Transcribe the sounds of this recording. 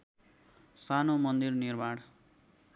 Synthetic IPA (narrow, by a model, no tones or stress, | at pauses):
sanomʌnd̪irnirbaɽ